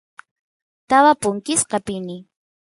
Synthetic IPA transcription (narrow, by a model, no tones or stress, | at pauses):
t̪awapʊŋkɪsqɑpɪnɪ